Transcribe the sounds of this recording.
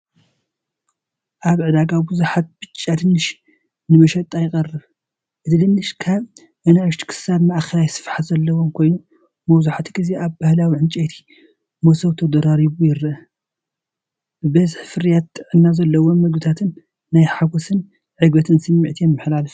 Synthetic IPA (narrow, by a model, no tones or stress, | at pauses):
ʔaβʕɨd̪aɡabuzuħat̪̚b̥ɨt͡ʃʼːad̪ɨnːɨʃ | nɨmɐʃɐt̪ʼajɪkʼɐrːɨβ | ʔɨt̪ʰɨd̪ɨnːɨʃkʰaβ | ʔɐnaʕɨʃt̪ʰi̥kʰɨ̥saβmɐʔxɐlajsɨ̥fħazɐlːɐwomkʰo̞jnu | mɐwzuħat̪ʰiɡɨzeʔaβbahlawiʕɨnt͡ʃʼet̪ʰi̥ | mosɐβt̪ʰɐd̪ɐɾaɾiβujɪɾʔɐ | bɨbɐzħfɨɾjat̪ʰːɨʕɨnːazɐlːɐwonmɐɡbɨt̪ʰat̪ʰɨnː | ajħaɡosɨn | ʕɨɡbɐt̪ʰɨnsɨmːiʕt̪ʰijɛmːɨħlalɨf